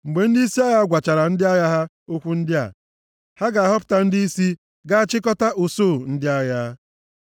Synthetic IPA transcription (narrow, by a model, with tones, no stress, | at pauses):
ŋ͡m̩˨ɡ͡be˨n̩˦di˦i˦si˦a˦ja˦ɡʷa˨t͡ʃa˨ɾa˨n̩˦dɪ˦a˦ja˦ɦa˦ | o˦kʷu˦n̩˦dɪ˦a̰˨ | ha˦ɡa˨a˨ɦɔ˦pʊ̥˨ta˨n̩˦di˦i˦si˦ | ɡa˦a˦t͡ʃɪ˦kɔ˦ta˦ʔo˨soː˦˨n̩˦dɪ˦a˦ja˦